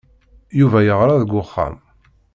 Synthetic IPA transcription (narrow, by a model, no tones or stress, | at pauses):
juvæjəʁɾaðəɡʷʊχːæ̰m